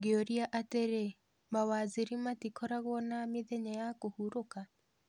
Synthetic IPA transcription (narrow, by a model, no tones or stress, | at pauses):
ɡeoɾiaʔateɾe | mawaziɾimatikɔɾaɣwɔnamiðeɲajakohuɾoka